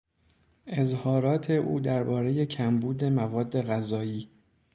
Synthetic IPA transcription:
ʔe̞zhɒːɾɒːt̪ʰe̞ʔuːd̪æɾbɒːɾe̞je̞cʰæmbuːd̪e̞mævɒːd̪ːe̞ɣæzɒːjiː

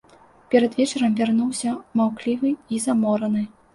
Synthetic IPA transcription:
pʲɛɾɐd̪vʲɛt͡ʂɐɾɐmvʲarnuwsʲɐmawklʲivɨizamɔɾɐnɨ

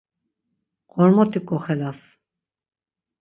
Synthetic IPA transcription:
qɔɾmɔt̪ʰikʼɔχɛlas

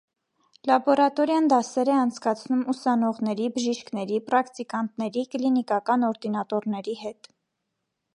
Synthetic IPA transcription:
lɑbɔɾɑt̪ɔɾjɑnd̪ɑsɛɾɛɑnt͡sʰkɑt͡sʰnumusɑnɔʁnɛɾibəʒiʃknɛɾipɾɑkt̪ikɑnt̪nɛɾikəlinikɑkɑnɔɾd̪inɑt̪ɔɾnɛɾihɛt̪

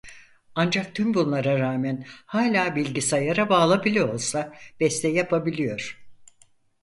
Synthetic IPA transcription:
and͡ʒak̚t̪ʰymbunlˠaɾaɾaːmɛnhaːlʲaːbilʲɟisajaɾabaːlˠabilʲio̞lˠsab̥ɛst̪ʰɛjapʰabilʲijo̞ɾ̥

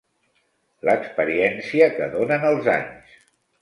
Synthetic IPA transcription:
ləkspəɾiɛnsiəkə̰ðonənəlˠza̰ɲs

